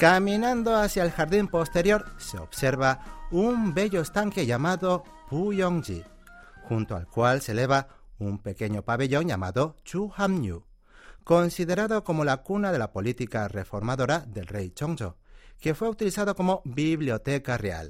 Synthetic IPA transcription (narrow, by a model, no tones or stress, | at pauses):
kamĩnãnd̪o̞asjaelxaɾðimpo̞st̪e̞ɾjo̞ɾseo̰βse̞ɾβaumbe̞ʎo̞est̪aŋke̞ʝamaðo̞ | pujoŋd͡ʒḭ | xunt̪oa̰lkwalse̞le̞β̞a | umpe̞ke̞ɲo̞paβe̞ʎo̞ŋʝa̰ma̰ðot͡ʃuxamɲṵ | ko̞nsiðe̞ɾaðoko̞mo̞lakunaðe̞lapo̞lit̪ikarefo̞ɾmaðo̞ɾaðe̞lrejt͡ʃoŋso̰ | ke̞fwe̞ut̪ilisaðoko̞mo̞biβljo̞t̪ekarea̰l